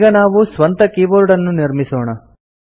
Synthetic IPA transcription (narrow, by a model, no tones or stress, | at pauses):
ɡɐnaːʋusʋɐnt̪ɐkiːboːɾuɽɐnːuniɾmisɔːɳɐ